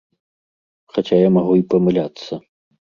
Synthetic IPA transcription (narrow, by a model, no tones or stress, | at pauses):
xat͡sʲajamaɣuipɐmɨlʲat̪sːɐ